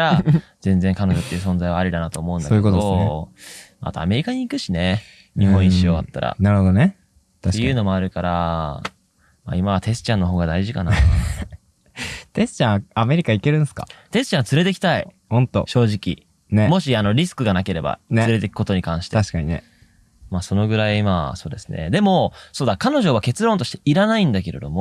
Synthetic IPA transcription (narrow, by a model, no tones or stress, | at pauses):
ɾa | z̥ẽ̞nd͡zẽ̞ŋkano̞ʑo̞t̪ːe̞iɯ̟s̬õ̞nd͡zaiβaːɾʲid̪anat̪o̞ːmo̞ɯ̃nsd̪aoejiɯkotdoos | maa̰t̪o̰a̰me̞ɾʲikaɲ̟iːkɯ̟ɕine̞ | ɲ̟iɦõ̞ɰ̃ĩɕioat̪ːaɾa̰naɾɯ̟hod̪one | t̪aɕe̥jkaɯ̟ːno̞mo̞aɾɯ̟kaɾa | ma̰imaβ̞at̪e̞sɨ̥t͡ɕãnːo̞ɦo̞ːɡad̪aiʑikana | t̪e̞sɨ̥t͡ɕãame̞ɾʲikaike̞ɾɯ̟̃nsɨ̥ka̰t̪e̞sɨ̥t͡ɕãnt͡sɨɾe̞t̪e̞kʲi̥t̪ai | hõ̞nt̪o̰ɕo̞ːʑikʲḭ | ne̞mo̞ɕiano̞ɾʲisɨ̥kɯ̟ɡanake̞ɾe̞ba̰nsɨɾe̞t̪e̞ki̥ko̞t̪o̞ɲ̟ikãɰ̃ɕi̥t̪aɕi̥kaɲ̟ine̞̰ | maːso̞no̞ɡɯ̟ɾaiimaso̞ːd̪e̞sɨnḛd̪e̞mo̞so̞ːd̪akano̞ʑo̞βake̞t͡sɨɾõnt̪o̞ɕi̥t̪eʔiɾanaĩnd̪ake̞ɾe̞d̪o̞mo